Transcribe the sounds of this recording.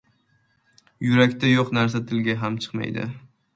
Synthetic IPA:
jʊɾakʲt̪ajoqnaɾs̬at̪ʰɪlɡʲaɦamt͡ʃʰɨ̥qma̰jd̪ɪ̰

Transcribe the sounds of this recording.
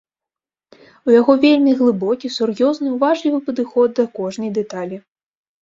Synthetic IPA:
ujaɣɔvʲelʲmʲiɣlˠɨbɔkʲisurjɔznɨwvaʐlʲivɨpɐd̪ɨxɔd̪̚ːɐkɔʐnɐjd̪ɛt̪alʲi

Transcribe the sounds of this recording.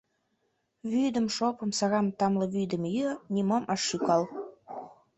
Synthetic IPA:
βyjd̪ə̆mʃopɤ̆msɑɣɑmt̪ɑmlɤ̆βyjd̪ə̆mjønʲimomʔɑʃːykɑl

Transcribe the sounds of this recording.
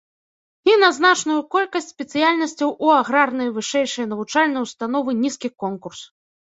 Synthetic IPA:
inɐznat͡ʂnujukɔlʲkɐsʲtʲsʲpʲɛt̪sɨjalʲnɐsʲt͡sʲɐwʔuaɣɾarnɐjvɨʂɛjʂɐjɐnɐvut͡ʂalʲnɐjwst̪an̪ɔvɨnʲiskʲikɔnkurs

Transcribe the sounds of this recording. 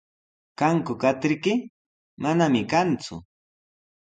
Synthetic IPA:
kaŋkʊkat̪ɪɾkɪ | manamɪkant͡sʊ̰

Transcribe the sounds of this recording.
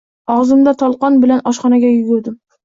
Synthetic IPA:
ɒʁzɪmd̪at̪ʰɒlˠqɒnbɪlanɒʃχɒnaɡʲajʊɡʲʊɾd̪ɪm

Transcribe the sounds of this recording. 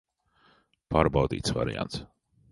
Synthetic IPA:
pʰaɾbaːd̪ḭːt̪sva̰ɾɪa̰nt̪

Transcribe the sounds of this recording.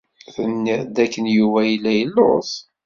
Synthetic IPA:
θənːiʁd̪ækːənjuvæjəlːæjəlːʊ̰s

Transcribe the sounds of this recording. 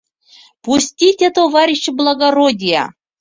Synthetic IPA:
pusʲtʲitʲet̪ovaɾʲiɕːeblˠaɡaɾodʲijɑ̰

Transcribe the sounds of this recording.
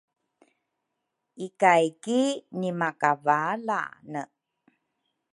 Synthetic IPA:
ikajkinimakavala̰nə

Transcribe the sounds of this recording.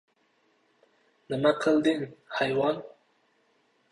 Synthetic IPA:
d̪əmaqəld̪ɪnhajwɑn

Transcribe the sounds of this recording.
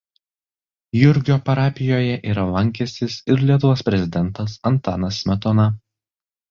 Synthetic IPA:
jʊɾʲɡʲoːpɐɾɑːpʲɪjoːjɛʔiːɾɐlˠɐŋʲkʲɛsʲt̪ʲɪsɪɾlʲiɛt̪ʊʋoːspʲɾʲɛzʲɪd̪ʲɛnˑt̪ɐsɐnt̪ɑ̰ːnɐsmʲɛt̪ɔnɐ

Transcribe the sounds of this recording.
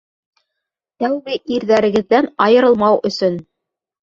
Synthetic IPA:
t̪æwβɘʔiɾðæɾɘ̆ɡɘ̆ðːænɑjɤ̆ɾɤ̆lˠmɑwɵ̆sɵn

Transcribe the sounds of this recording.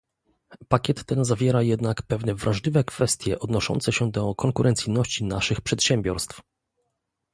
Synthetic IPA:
pakʲɛt̪ːɛnzavʲjɛɾajɛd̪nakpɛvnɛvɾʔaʐlʲivɛkfɛst̪ʲjɛʔɔd̪nɔʂɔ̰nt̪sɛɕɛd̪ɔkɔŋkuɾʔɛnt̪sɘjnɔɕt͡ɕinaʂɘxpʂɛt̪ɕɛmbʲjɔɾst̪f

